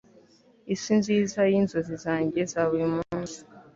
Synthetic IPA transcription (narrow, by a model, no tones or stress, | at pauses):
isinziːzajinzozizaːɲɟezaβuumuːnsi̥